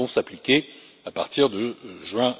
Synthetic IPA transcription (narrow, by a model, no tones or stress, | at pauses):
ɔ̃saplikʲe | apaʁt̪iʁd̪əʒɥɛ̃